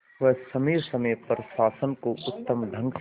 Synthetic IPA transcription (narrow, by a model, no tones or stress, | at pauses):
ʋɐsɐmeːsɐməjpɐɾʃaːsənkoʊt̪ːəmɖ̪ʱɐ̃ŋɡ